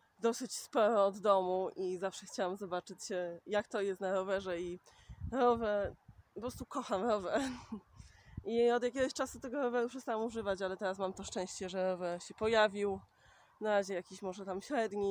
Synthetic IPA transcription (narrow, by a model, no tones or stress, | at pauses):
d̪ɔsɘt͡ɕspɔɾɔːd̪ːɔmuʔizafʂɛxt͡ɕawamzɔbat͡ʂɘt͡ɕjakt̪ɔjɛst̪naɾɔvɛʐɛi | ɾɔvɛɾɔpɾɔst̪ukɔxamɾɔvɛɾ | ʔiɔd̪jakʲɛɡɔɕt͡ʂasut̪ɛɡɔɾɔvɛɾupʂɛst̪awamuʐɘvat͡ɕalɛt̪ɛɾasmamt̪ɔʂt͡ʂɛ̃w̃ɕt͡ɕɛʐɛɾɔvɛɾɕɛpɔjavʲiw | naɾaʑɛjakʲiɕmɔʐɛt̪amɕɾɛd̪ɲi